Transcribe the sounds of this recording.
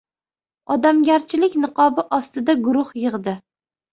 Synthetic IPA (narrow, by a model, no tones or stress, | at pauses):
ɒd̪amɡʲaɾt͡ʃʰɪlɪkʲnɨqʰɒbɪʔɒst̪ɪd̪aɡʊɾʊhjɨʁd̪ɪ